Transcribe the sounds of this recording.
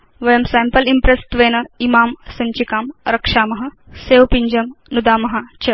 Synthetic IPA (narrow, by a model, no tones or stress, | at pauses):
ʋɐjɐmsɛːmpɐlimpɾest̪ʋeːnɐimaːmsɐɲt͡ʃikaːmɾɐkʂaːmɐɦɐ | seːʋpiɲd͡ʒɐmnud̪aːmɐɦat͡ɕɐ